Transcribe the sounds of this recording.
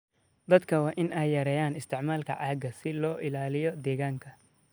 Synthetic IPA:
d̪ɐd̪kʰɐwɑːʔɪnʔɛjːɐɾɛːjaːnɪst̪ʰɪʕmaːlkʰɐ̰ʕaːɡɐsɪlɔːʔɪlaːlɪjɔd̪ɛːɣaːŋkʰɐ

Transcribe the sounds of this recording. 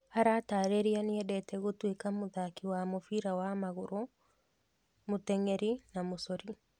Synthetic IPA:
haɾataːɾeɾianiɛdɛtɛɣotwekamoðakiwamofiɾawamaɣoɾɔ | motɛŋɛɾinamosɔɾi

